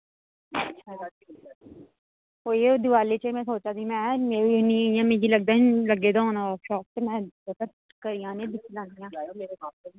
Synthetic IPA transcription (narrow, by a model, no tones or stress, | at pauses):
ɐtːʃʰa | oːjed̪ɪʋaːlet͡ʃemɛ̃soːt͡ʃad̪imɛ̃ːmeːɾinĩjãmẽːd͡ʒilɐɡ̚d̪aĩlɐɡeːd̪aõːnaʃɔːk̚t̪emɛ̃otəɾ | kəɾɪjãːnẽd̪ɪkʰilãːnd̪ijãː